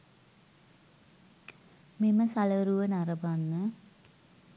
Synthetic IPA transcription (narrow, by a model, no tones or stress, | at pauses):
miməsaləɾuʋənaɾəbanːə